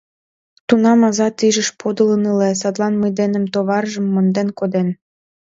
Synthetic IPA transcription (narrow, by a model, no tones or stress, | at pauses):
t̪unɑmɑzɑt̪iʒəʃpʰod̪ələnɯles̬ɑt̪lˠɑnməjd̪enə̆mt̪oβɑrʒəmːond̪enkod̪en